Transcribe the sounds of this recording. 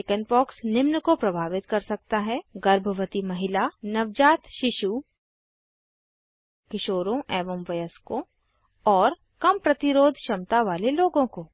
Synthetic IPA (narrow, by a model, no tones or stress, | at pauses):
ɪkənpɔːksnɪmnəkopɾɐbʱaːʋɪt̪kɐɾsɐk̚t̪aɦɛɡɐɾbʱəʋət̪imɐɦɪlanɐʋd͡ʒaːt̪ʃɪʃu | kɪʃoːɾõɛːʋəmʋɐjəskõ | ɔːɾ | kɐmpɾɐt̪ɪɾoːd̪ʱʃɐmt̪aʋaːleloːɡõkoː